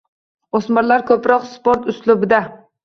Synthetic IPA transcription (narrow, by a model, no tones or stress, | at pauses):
osmaɾlaɾkʲʰɵpɾɒqspoɾt̪ʊslʊbɪd̪a